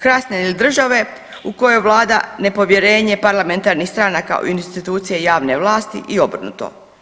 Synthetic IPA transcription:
kɾasneilid̪r̩ʒaʋe̞ | uko̞joʋlˠaːd̪ane̞po̞ʋje̞ɾe̞ːɲe̞paɾlame̞nt̪aɾnixst̪ɾanaka̰o̰inst̪it̪uːt̪sije̞jaːʋne̞ʋlˠaːst̪ḭʔio̞br̩nṵt̪o̰

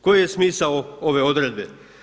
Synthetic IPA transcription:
ko̞jjesmiːsaooʋe̞od̪ɾed̪be

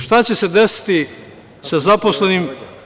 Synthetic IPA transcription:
ʃt̪at͡ɕe̞se̞d̪e̞si̥t̪i | sazapo̞slenim

